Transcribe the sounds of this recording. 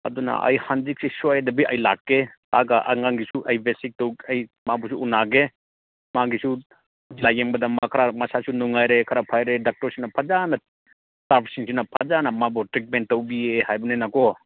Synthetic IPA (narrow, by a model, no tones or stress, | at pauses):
ɐ̰dunɐ̰ʔɐ̰jhand͡ʒik̚sisɔjadɐbiʔɐjlakːetaɡaʔa̰ŋaŋɡisuʔajbesik̚tɔwaj | mabɔsuunaɡe | maɡisu | lajembɐdɐmɐkʰɾamɐsasunuŋajɾekʰɐɾapʰajɾedak̚tɔɾsinɐpʰazanɐ | taɾpʰsiŋsinɐpʰazanɐmabɔtɾit̚ment̚tɐwbiehajbɐnenakɔ